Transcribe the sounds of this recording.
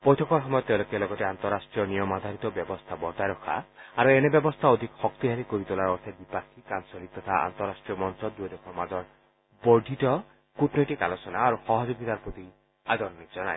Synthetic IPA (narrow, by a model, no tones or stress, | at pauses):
pɔjtʰɔkɔɾɦɔmɔjɔt̪ːewlokelɔɡɔteant̪ɔɾasʈɾijɔnijɔmad̪ʱaɾit̪ɔbjɔbɔst̪ʰabɔɾt̪aɾɔkʰa̰aɾuenebjɔbɔst̪ʰaod̪ʱikxɔkt̪iɦaɾikoɾit̪olaɾɔɾt̪ʰebipakʰːikansɔlit̪ɔt̪ʰaa̰nt̪ɔɾasʈɾijɔmɔnsɔd̪uɔd̪ekʰɔmad͡ʒɔɾ | bɔɖʱitɔ | kuʈnoʈikalosɔnaːɾuxɔɦɔd͡ʒoɡit̪aɾpɾot̪i | ad̪ɔɾɔnikd͡ʒɔna̰e